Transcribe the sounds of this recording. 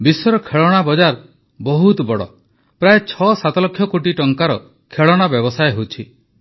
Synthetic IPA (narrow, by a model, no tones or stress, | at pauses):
bisɔɾɔkʰeɭɔɽ̃abɔd͡ʒaɾ | bɔɦut̪ɔbɔɽɔ̰ | pɾaet͡ʃʰɔsat̪ɔlɔkʰjɔkoʈiʈɔŋkaɾɔ | kʰeɭɔɽ̃abjɔbɔsaeɦot͡ʃʰi